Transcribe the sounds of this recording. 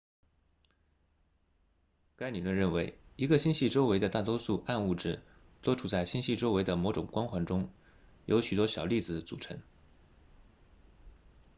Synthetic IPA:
ka˥ɪni˨˩lwə˥˩nɻə˥˩nwe˧˥ɪi˧˥ɡə˧ɕi˥˧nɕi˥˩ʈ͡ʂo˥ʊwe˧˥ɪd̪ə˧t̪a˥˩t̪wɔ˥su˥˧a˥˧nu˥˩ʈ͡ʂɻ̩˥˩ | t̪wo˥ʈ͡ʂʰu˨˩t͡sa˥˩ɪɕi˥nɕi˥˩ʈ͡ʂo˥ʊwe˧˥ɪd̪ə˧mɔ˧˥ʊʈ͡ʂʊ˨˩ŋkwa˥nxwa˧˥nʈ͡ʂʊ˥ŋ | jʔo˧˥ʊɕy˨˩t̪wɔ˥ɕjɑ˨˩ʊli˥˩d͡zɹ̩˩t͡sṵ˨˩ʈ͡ʂʰɤ˧˥ŋ

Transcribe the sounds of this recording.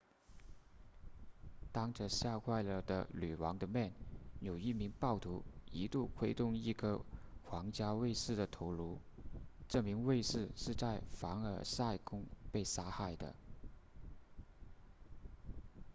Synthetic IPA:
t̪ɑ˥ŋʈ͡ʂə˧ɕja˥˧kʰwa˥˧ɪlə˥˩d̪ə̰˧ly˨˩wɑ˧˥ŋd̪ə˧mjɛ˥˩njo˨˩ʊi˥˩mi˧˥ŋpɑ˥˩ʊt̪ʰu˧˥i˧˥t̪u˥˩kʰwe˥ɪt̪ʊ˥˧ŋi˥˩ɡə˧xwɑ˧˥ŋt͡ɕja˥we˥˧ɪʂɻ̩˥˩d̪ə˩t̪ʰo˧˥ʊlu˧˥ʈ͡ʂɤ˥˩mi˧˥ŋwe˥˧ɪʂɻ̩˥˧ʂɻ̩˥˧t͡sa˥˩ɪfɑ˧˥ŋə˞˨˩sa˥˩ɪkʊ˥ŋpe˥˩ɪʂa˥xa˥˩ɪd̪ə̰˩

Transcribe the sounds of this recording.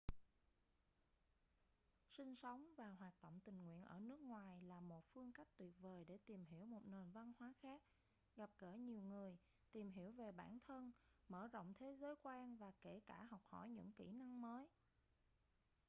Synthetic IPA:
sï˧ŋ̟sə˨˦wŋ͡mvaː˨˩ɦwaː˨˩t̚ɗo̰˧˨wŋ͡mt̪ï˨˩ŋ̟ŋwḭ˧˨ənʔəː˧˩nɨ˦˥ək̚ŋwaː˨˩jlaː˨˩mo˨˩t̚fɨ˧əŋka˦˥k̚t̪wi˨˩ət̚vəː˨˩jɗe˧˩t̪i˨˩mɦi˧˩əwmo˨˩t̚ne˨˩nva˧nhwaː˨˦xaː˦˥k̚ | ɣa˨˩p̚ɣəː˧˩ɲi˨˩əwŋɨ˨˩əj | t̪i˨˩mɦi˧˩əwve˨˩ɓa̰ː˧˩nt̪ʰə˧nməː˧˩zə̰˧˨wŋ͡mt̪ʰe˨˦zəː˨˦jkwaː˧nvaː˨˩ke˧˩kaː˧˩ɦɔ˨˩wk͡p̚hɔ̰˧˩jɲɨ̰˧˥ŋkḭ˧˩na˧ŋməː˨˦j

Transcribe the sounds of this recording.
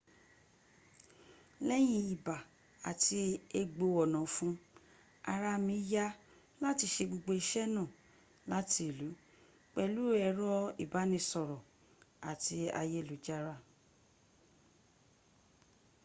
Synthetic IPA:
lɛ˦j̃ĩ˧i˨ba˨ | a˨ti˧e˧ɡ͡bo˧ɔ˨nã˨fũ˦ | a˧ɾa˧mĩ˧˦ja˦ | la˦ti˧˦ʃe˧ɡ͡bo˧ɡ͡bo˧i˧ʃɛ˦nã˦˨ | la˦ti˧˦e˨lu˨˦ | k͡pɛ˧lu˦ɛ˧ɾɔ˦ḭ˨ba˨˦nĩ˧sɔ˨ɾɔ˨ | a̰˨ti˧a̰˧je˦˨lu˨˦d͡ʒa˦ɾa˦˨

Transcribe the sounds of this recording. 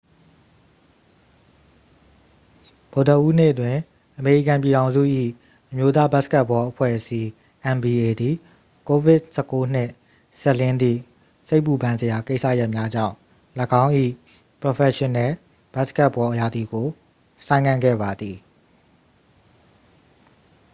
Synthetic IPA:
b̥o˨də˨ʔu˦n̥ɪ˦ʔətwɪ̃˨ | ʔəme˨ɹḭ˦˨kã˨mpji˨ɾã˨ʊ̃zṵ˦˨ʔḭ˦˨ | ʔəmjo˦t̪̬a˦ba˦ʔska˦ʔpːɔ˦ʔəpʰwɛ̰˦˨əsi˦ | ʔɛ̃˨mbi˨e˨d̪i˨ | ko˨vɪ˦ʔsɛ˦kːo˦n̥ɪ˦˨ʔ | sɛ˦ʔlɪ̃˦nd̪ðḭ˦˨ | se˦ɪʔpːu˨bã˦nzə˨ja˨ke˦ɪʔsa̰˦˨ja˦ʔmja˦d͡ʑã̰˦˨ʊ̃ | lə˨ɡã˦ʊ̃ʔḭ˦˨ | pɹo˨pʰɛ˨ʃɪ̃˨nɛ˨˦˨ | b̥a˦ʔska˦ʔpːɔ˦ʔəja˨d̪i˨ɡo˨ | sã˦ɪ̃ŋã˦˨ŋɡɛ̰˦˨ba˨d̪ði˨

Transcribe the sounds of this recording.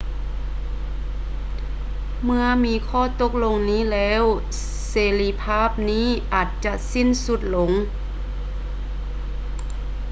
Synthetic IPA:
mɯ˧ɐmiː˧˥kʰɔː˥˩˨t̪o˧˥k̚lo˧ŋniː˦˥˨lɛː˦˥˨w | seː˨˦li˧pʰaː˥˩˨p̚niː˦˥˩ʔaː˨˩t̪̚t͡ɕa˧si˧˥˨nsu˧˩t̪̚lo˧˦ŋ

